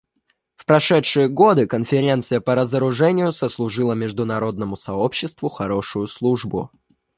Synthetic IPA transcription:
fpɾɐʂɛtʂɨjəɡo̞d̪ɨkənfʲɪɾʲe̞nt̪sɨjəpəɾəzəɾʊʐɛnʲɪjʊsəslˠʊʐɨlˠəmʲɪʐd̪ʊnɐɾo̞d̪̚nəmʊsɐo̞pɕːɪst̪vʊxɐɾo̞ʂʊjʊslˠuʐbʊ̰

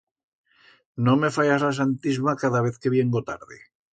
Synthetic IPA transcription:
nõmefajazlas̬ant̪izmakaðaβ̞eθkeβjeŋɡot̪aɾðe

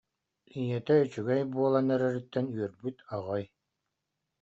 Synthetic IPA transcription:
ijɛt̪ɛyt͡ɕyɡɛjbuɔlˠanɛɾɛɾyt̪ːɛnyœɾbyt̪aʁɔj

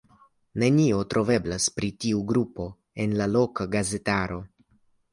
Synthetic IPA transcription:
ne̞nio̞tɾʔo̞ve̞blaspɾitiuɡɾupo̞ | enlalo̞kaɡaze̞taɾo̞

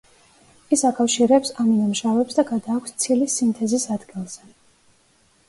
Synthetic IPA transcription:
isakʼafʃiɾɛpsaminamʃavɛpsd̪aɡad̪aːkʷʰst̪sʰilisimt̪ʰɛzisad̪ɡilˠz̥ɛ

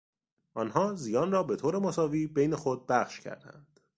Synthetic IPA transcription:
ʔɒːnɦɒːzijɒːnrɒːbe̞t̪ʰoːɾe̞mosɒːviːbe̞jne̞xo̞d̪̚bæχʃcʰæ̰ɾd̪æ̰nd̪̥

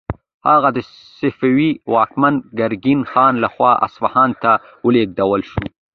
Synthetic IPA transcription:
haɣad̪ə | sɪfawiwɑːkmanɡaɾɡinxɑːnlaxwɑʔa̰sfahɑnt̪a | wəleɡ̚d̪awəlʃu

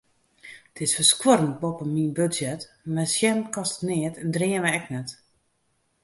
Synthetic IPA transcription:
tʰɪsfəskwoɾən̚bopəminbøsjɛt | mɛsjɛmkɔstənɪətndrɪənməɛknɛt

